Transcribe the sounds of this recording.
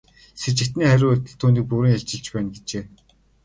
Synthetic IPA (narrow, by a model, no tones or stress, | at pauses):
set͡ɕɪ̆kt̪niːχæɾʲʊːt̪̆ɮt̪ʰːuːniːk̚puɾiːŋaɮt͡ɕɪ̆ɮt͡ɕpæːnɡet͡ɕeː